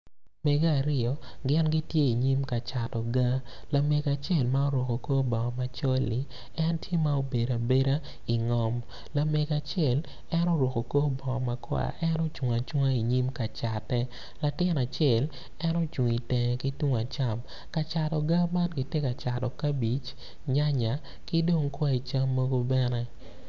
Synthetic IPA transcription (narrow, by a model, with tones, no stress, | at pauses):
mɛe˨ɡaː˦˨ɾɪ˦ɔ˨ɡɪ˦nɡɪ˦tje˦i˨ɲi˦mka˨t͡ʃa˨tɔ˨ɡa˦la˨me˨ɡa˨t͡ʃɛ˦˨lma˦o˦ɾwo˨ko˨ko˦bɔ˨ma˨t͡ʃɔ˦lːi˨˦ | ɛ˦ntje˦ma˦o˦be˨da˨be˦ɾa˦ | i˨ŋɔ˦m | la˨me˨ɡa˨t͡ʃɛ˨l | ɛ˦no˦ɾwo˨ko˨ko˦bɔ˨ma˨kwa̰˨ʔɛ˦no˦t͡ʃu˨ŋa˨t͡ʃu˦ŋa˦i˨ɲi˦mka˨t͡ʃa˨tːɛ˦ | la˨tɪ˦na˨t͡ʃjɛ˦˨l | ɛ˦nɔ˦t͡ʃu˨ŋi˨tɛ˨ŋɛ˨ki˦tu˦ŋa˨t͡ʃa˦m | ka˨t͡ʃa˨tɔ˨ɡa˦ma˦tkɪ˨te˦ka˨t͡ʃa˨tɔ˨ka˦bi˨t͡ʃ | ɲa˦ɲa˨ | ki˦do˦ŋkwa˦i˨t͡ʃa˦mːo˦ɡo˦bɛ˦nɛ˦